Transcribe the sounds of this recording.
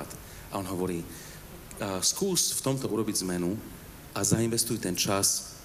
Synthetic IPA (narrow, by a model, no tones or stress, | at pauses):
t̪ | ʔaɔnɦɔʋɔɾiː | skuːsft̪ɔmt̪ɔʔuɾɔbiɟzmɛnu | azainʋɛst̪ujt̪ɛnt͡ʃas